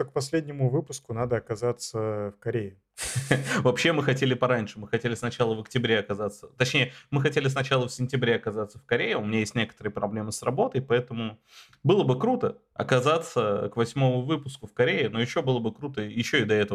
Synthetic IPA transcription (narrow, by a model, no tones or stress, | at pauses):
k̚pɐsʲlʲedʲnʲɪmʊvɨpʊskʊnad̪əɐkɐzat̪səfkɐɾʲejɪ | vɐpɕːe̞mɨxɐtʲelʲɪpɐɾanʲʂɨmɨxɐtʲelʲɪsnɐt͡ɕalˠəvəktʲɪbɾʲeɐkɐzat̪sə̥t̪ɐt͡ɕnʲejəmɨxɐtʲelʲɪsnɐt͡ɕalˠəfsʲɪnʲtʲɪbɾʲeɐkɐzat̪səfkɐɾʲejɪʊmʲɪnʲajesʲtʲnʲe̞kə̥t̪əɾɨjəpɾɐblʲe̞mɨsrɐbo̞t̪əjpɐɛt̪əmʊ | bɨlˠəbɨkɾut̪ə | ɐ̰kɐzat̪səkvɐsʲmo̞mʊvɨpʊskʊfkɐɾʲeɪno̞jɪɕːo̞bɨlˠəbɨkɾut̪əjɪɕːoɪd̪ɐɛt̪əv